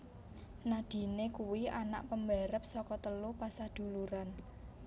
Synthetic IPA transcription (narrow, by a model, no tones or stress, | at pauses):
nad̪̥i̤nekuwiʔana̰ʔpəmbɛɾəp̚sɔkɔt̪əlupasad̪̥ṳluɾan